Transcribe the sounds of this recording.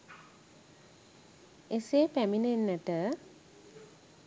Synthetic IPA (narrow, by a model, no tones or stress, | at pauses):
esepæminenːəʈə